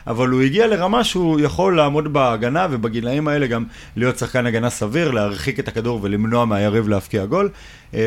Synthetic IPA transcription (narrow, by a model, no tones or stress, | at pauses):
a̰valuiɡiale̞ʁamaʃeujaχo̞lːaːmo̞dbaːɡanave̞baɡilaimae̞le̞ɡam | lijo̞tsaχkanaɡanasaviʁleaʁχike̞takaduʁvelimno̞ameajaʁivleafkiaɡo̞l